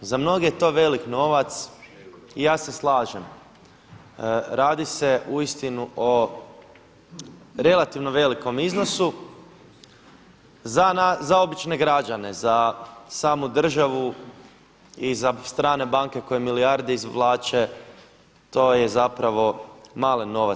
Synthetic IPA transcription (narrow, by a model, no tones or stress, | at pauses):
zamno̞ɡejet̪o̞ːʋe̞likno̞ʋat̪s | ijaːse̞slˠaːʒem | ɾaːd̪ise̞ʔuist̪inuʔo | ɾe̞lˠat̪iʋno̞ʋe̞liko̞mizno̞su | zanazao̞bit͡ʃne̞ɡɾad͡ʒane̞zasaːmud̪r̩ʒaʋu | izast̪ɾaːne̞baŋke̞ko̞jemiliaɾd̪eizlˠaːt͡ʃe | t̪o̞ːjezapɾaʋo̞maːlino̞ʋa